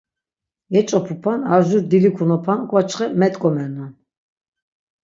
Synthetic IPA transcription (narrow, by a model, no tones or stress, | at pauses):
ɛt͡ʃʼɔpʰupʰanaʒuɾd̪ilikʰunɔpʰankʼwat͡ʃʰχɛmɛt̪ʼkʼɔmɛnɔ